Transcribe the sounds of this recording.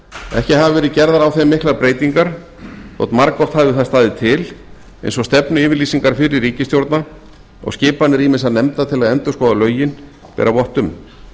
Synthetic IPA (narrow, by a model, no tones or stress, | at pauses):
ɛ̰hcɪɦavɪvɛːɾɪcɛɾðaɾawθemːɪhklaɾpɾeːjt̪iŋkaɾ̥ | θɔ̰t̪nmaɾkɔht̪haːvɪθast̪aːðɪt̪ʰɪl | ḛjnsɔst̪ɛpnʏɪːvɪɾliːsiŋkaɾ̥fɪɾɪriːcɪst̪jowɾt̪na | ɔ̰ɣscɪːpanːɪɾimɪnsaðnɛmt̪at̪ʰɪlaðɛnt̪ʏskɔːðalœːɥjɪn | pɛ̰ːɾavɔht̪ʏm